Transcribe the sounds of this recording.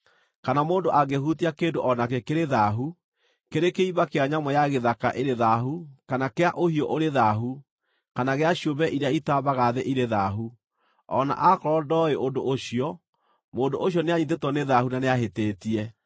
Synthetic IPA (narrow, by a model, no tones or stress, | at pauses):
kanamoːndoʔaɡehutiakeːndoʔɔnakekeɾeðaɦu | keɾekeiβakeaɲamɔjaɣeðakaʔeɾeðaɦukanakeaʔohiɔʔoɾeðaɦu | kanaɣeaɕjobɛʔiɾeaitaβaɣaðeʔiɾeðaɦu | ɔna̰ʔakɔɾɔdɔeʔondoʔoɕiɔ | moːndoʔoɕjɔneaɲiðetɔneðahunaneaɦeteːtiɛ